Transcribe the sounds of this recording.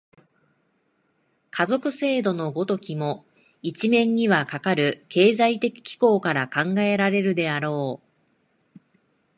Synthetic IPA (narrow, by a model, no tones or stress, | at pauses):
kʰazo̞kɯ̟se̞ːd̪o̞no̞ɡo̞t̪o̞kʲimo̞ | it͡ɕimẽ̞ɲ̟ːiβakakaɾɯ̟ke̞ːzait̪e̞kʲi̥kʲi̥ko̞ːkaɾakãŋɡae̞ɾaɾe̞ɾɯ̟d̪e̞aɾo̞ː